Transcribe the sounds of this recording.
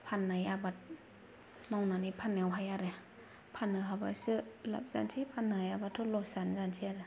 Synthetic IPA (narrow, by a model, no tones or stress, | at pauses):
pʰanːajabat̚ | mɔwnanipʰanːɛwɦajaɾɛ | pʰanːɯɦaba̰sɯla̰p̚za̰nsʰipʰanajabatʰːulosanzansʰiaɾe